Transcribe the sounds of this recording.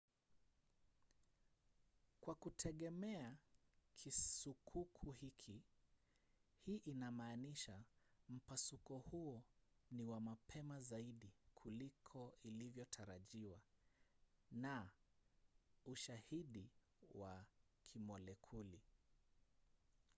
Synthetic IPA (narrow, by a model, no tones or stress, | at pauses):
kwakutʰɛɠɛmɛakʰisukʰukʰuhikʰi | hiːʔinamaːniʃam̩pasukɔhuɔniwamapʰɛmazaiɗikʰulikʰɔilivjɔtʰaɾaʄiwa | na | uʃahiɗi | wakʰimɔlɛkʰuli